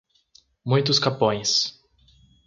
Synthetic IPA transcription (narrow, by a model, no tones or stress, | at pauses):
mũj̃t̪ʊskapõj̃s